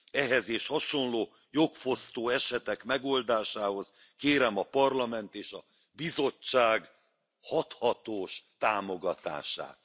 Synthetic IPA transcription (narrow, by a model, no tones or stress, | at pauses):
ɛɦɛzeːʃhɒʃo̞nloː | jo̞kfo̞st̪oːɛʃɛt̪ɛkmɛɡo̞ld̪aːʃaːɦo̞z | keːɾɛmɒpɒrlɒmɛnt̪eːʃɒ | bizo̞t͡ʃːaːɡ | hɒt̪hɒt̪oːʃt̪aːmo̞ɡɒt̪a̰ːʃa̰ːt̪